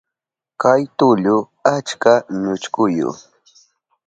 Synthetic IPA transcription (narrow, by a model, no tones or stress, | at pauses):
kajt̪ʊʎʊ | at͡ʃkaɲʊt͡ʃkʊjʊ̰